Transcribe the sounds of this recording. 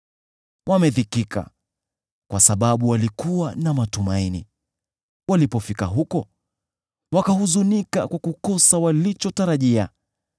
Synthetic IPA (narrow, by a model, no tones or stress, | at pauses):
wʔamɛðikika̰ | kwasaɓaɓuwalikuwanamatumaini | walipɔfikaɦukɔ | wakahuzunikakwakukɔsawalit͡ʃɔtaɾaʄia